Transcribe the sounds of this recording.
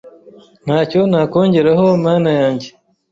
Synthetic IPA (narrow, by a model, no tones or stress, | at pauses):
n̥haːco̞naːkoːɲɟe̞ɾaɦoamaːnajaːɲɟe